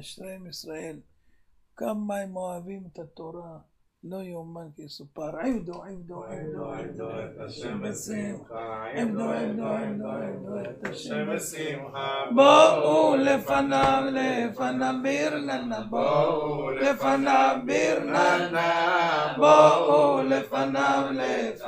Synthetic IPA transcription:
aʃɾemisɾaʔel | kamːaemoavimet̪at̪oɾa | lojomankesupaɾʕimd̪oʕimd̪oʕimd̪oʕimd̪ot̪aʃimbesimʕimd̪oʕimd̪oʕimd̪oʕimd̪oet̪aʃimbesiboʔulefanavlefanabiɾnanabo | lefanabiɾnaa | boʔulefanavle

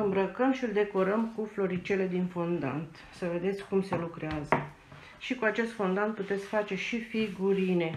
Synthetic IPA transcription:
ɨmbɾəkəmʃiɨld̪e̞ko̞ɾəmkuflo̞ɾit͡ʃe̞le̞d̪infond̪a̰nt̪ | səve̞d̪e̞t̪sʲkumse̞lukɾeazə | ʃikuat͡ʃe̞st̪fo̞nd̪ant̪̚put̪e̞t̪sʲfat͡ʃe̞ʃifiɡuɾine̞

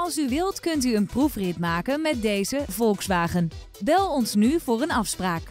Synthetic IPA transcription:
ɑlˠsyʋɪlˠtkɵntyənprufrɪtmaːkənmɛt̚dejzəvɔlˠksʋaːχən | bɛlˠɔnsnyvʊːrənɑfspraːk

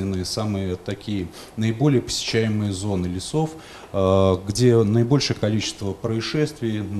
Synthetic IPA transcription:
nʲɪnːɨjəsamɨjət̪ɐkʲijə | nəɪbo̞lʲɪjəpə̥sʲɪ̥ɕːæjɪmɨjəzo̞nɨlʲɪso̞f | ɡdʲenəɪbo̞lʲʂɨjəkɐlʲit͡ɕɪ̥st̪vəpɾəɪʂɛst̪vʲɪjn

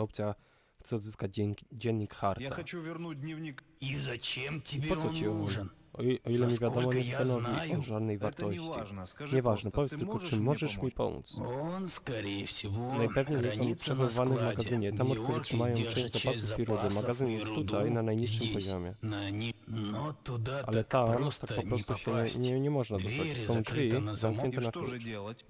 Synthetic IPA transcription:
ɔpt̪sʲja | xt̪sɛɔd̪zɘskad͡ʑd͡ʑɛnɲikxaɾt̪a̰vʲnud̪ɲʲvʲi | izaemɔsɔt͡ɕiɔ | ɔilɛmʲivʲjad̪ɔmɔɲɛst̪anɔvʲiɔʐad̪nɛjvaɾt̪ɔɕt͡ɕḭɲɛvaʐnɛpɔvʲjɛt̪st̪ɘlkɔt͡ʂɨmːɔʐɛʂmʲipɔ̰mṵt̪s | najpɛvɲejɛst̪ɔmpʂɛvɔwvanɛvmaɡazɘɲɛt̪amɔɾkt̪uɾɛtʂɘmajɔ̃w̃t͡ʂɛ̃w̃d͡ʑzapasufiɾud̪ɘmaɡazɘnjɛst̪t̪ːut̪ajnanajɲiʂːɘmpɔʑɔmʲjɛ | ʔalɛt̪amt̪ak̚pɔpɾɔst̪uɕɛɲɛɲɛɲɛmɔʐnad̪ɔst̪at͡ɕsɔ̃w̃dd͡ʐvʲizamkɲɛnt̪ɛnakuʐt͡ɕ

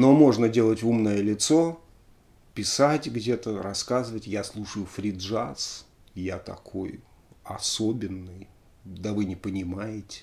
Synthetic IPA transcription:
no̞mo̞ʐnədʲe̞lˠətʲumnəjəlʲɪt̪so̞ | pʲɪsatʲɡdʲe̞t̪əɾɐskazɨvətʲjaslˠuʂəjʊfɾʲɪd̪ʐas | jat̪ɐ̰kʰo̞j | ɐsobʲɪnːɨj | d̪əvɨnʲɪpənʲɪmajɪtʲɪ̥

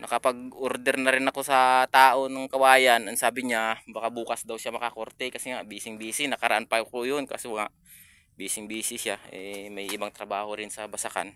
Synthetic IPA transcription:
nɐkɐpɐɡ̚ʔoɾd̪ɛɾnɐɾɪnɐko̞sɐt̪aːʔo̞nɐŋkɐwaːjɐnɐŋsaːbɪɲabakabuːkɐsd̪ɐwʃamɐkɐko̞ɾt̪ɛkɐsɛŋaʔbiːsɪŋbiːsɪnɐkɐɾɐʔanpɐkojonkasoŋaʔ | biːsɪŋbiːsɪsjaʔɛmɐjʔɪbaŋt̪ɾɐbaːho̞ɾɪnsɐbɐsɐka̰n

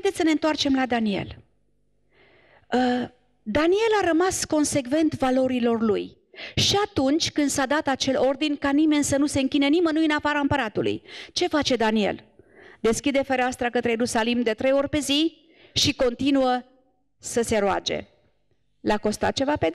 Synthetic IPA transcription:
ajd̪et̪sʲəne̞ɨnt̪oart͡ʃe̞mlad̪anie̞̰l | ə | d̪anie̞laɾəmasko̞nse̞ɡve̞nt̪valo̞ɾilo̞rluj | ʃiat̪unt͡ʃʲkɨnd̪sad̪at̪at͡ʃe̞lo̞rd̪inʲkanime̞nʲsənuse̞ɨŋkʲinənimənujɨnafaɾaɨmpəɾat̪ulṵjt͡ʃe̞fat͡ʃe̞d̪anie̞̰ld̪e̞skʲid̪e̞feɾeaast̪ɾakət̪ɾejeɾusalimd̪e̞t̪ɾe̞jo̞rʲpe̞zi | ʃiko̞nt̪inuə | səse̞ɾoa̰d͡ʒe̞̰ | lako̞st̪a̰t̪̚t͡ʃe̞vape

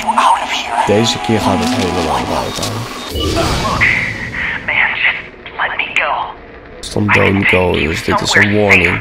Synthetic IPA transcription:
d̥ejzəkɪːɹχaːtətɦejləlɑ̰ŋba̰wta̰ːn | mæ̃n | lɛt̚miɡoʊ | stɔ̰mdõ̰ʊnɡoʊɪ̰zdɪtɪsəwɔɹnɪ̃ŋ

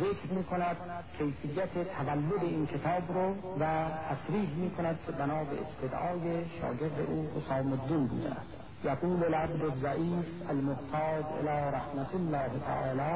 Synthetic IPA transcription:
zekɾmiːkʰonæd̪̥̚kʰejfijːæt̪ʰet̪ʰavælːod̪eiːnkʲʰet̪ʰɒːbɾovæt̪ʰæsɾiːɦmiːkʰonæd̪̚kʲʰebænɒːbeḛst̪ʰed̪ʔɒːjeʃɒ̰ːɡeɾd̪ḛʔuːhosɑːmod̪ːiːnbṵːd̪æ̰æ̰st̪ | jaɡuːlelæbdozːæʔiːfælmoht̪ʰɑːd̪ḛlɑːɾahmat̪ʰolːɑːhet̪ʰa̰ʔɒ̰ːlɒː

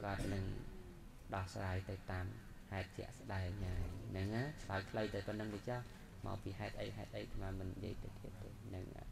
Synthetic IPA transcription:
kŏət̪̚nɨŋ | ɗɑhsraːjt̪ɨwt̪aːm | haɛt̪̚t͡ɕɛ̰̆əʔsɗaɛŋhaːjnɨŋaːt͡ɕʰlajt̪ʰləjt̪ɨwpɨnːɨŋʋɨt͡ɕɑh | mɑ̰ːwpiːɦaɛt̪̚ʔə̰jɦaɛt̪̚ʔəjk̪ʰmaːmɨnːjḭəjt̪ɨwt̪ʰiət̪̚ːɨːnɨŋ

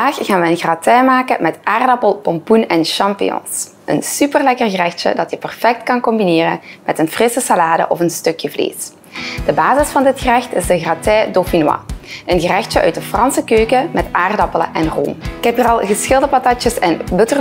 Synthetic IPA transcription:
aːxɣaːnʋəənɣratɛmaːkəmɛtaːrdɑpəlˠpɔmpunɛnʃɑmpḭɔ̰ns | ʔə̰nsypərlɛkərɣərɛxtə̰dɑtjəpɛrfɛk̚tkɑnkɔmbineːrə̰mɛtənfrɪsəsalaːdə̰ʔɔfənstɵkjəvlḛːs | d̥əbaːzɪsfɑndɪtxərɛxtɪzdəɣratɛːdofinwɑ̰ənɣərɛxtəʔœ̰ɥt̚dəfrɑnsəkøːkəmɛtaːrdɑpələ̰ʔɛnro̰ːmɪkhɛpərɑlˠɣəsxɪlˠdəpɑtɑt͡ʃjəsɛnbɵtər

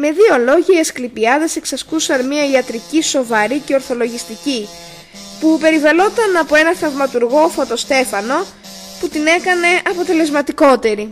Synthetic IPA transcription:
me̞ðio̞lo̞ʝɐiesklipiɐðe̞se̞ksɐskusɐnmiɐiɐt̪ɾiciso̞vɐɾice̞oɾθo̞lo̞ʝist̪ici | pupe̞ɾivɐlo̞t̪ɐnɐpo̞e̞nɐθɐvmɐt̪uɾɣo̞fo̞t̪o̞st̪e̞fɐno̞ | put̪ine̞kɐne̞ʔɐpo̞t̪e̞le̞zmɐt̪iko̞t̪e̞ɾi

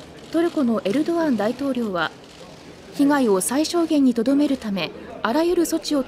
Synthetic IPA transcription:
t̪o̞ɾɯ̟ko̞no̞ʔe̞ɾɯ̟d̪o̞βãnd̪ait̪o̞ːɾʲo̞ːβa | çiɡaio̞saiɕo̞ːɡẽ̞ɲ̟ːit̪o̞d̪o̞me̞ɾɯ̟t̪ame̞aɾajɯ̟ɾɯ̟so̞t͡ɕio̞

